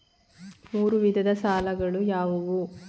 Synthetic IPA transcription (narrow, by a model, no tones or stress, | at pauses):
muːɾuʋid̪ʱɐd̪ɐsaːlɐɡɐɭujaːʋuʋu